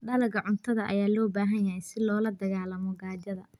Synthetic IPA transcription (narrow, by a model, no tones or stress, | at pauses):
ɖɐlɐɡɐʕʊnt̪ʰɐðɐʔɐ̰jaːlɔːbaːɦɐnjɐɦɛjsɪlɔːlɐd̪ɐɣaːlɐmɔɡaːd͡ʒɐðɐ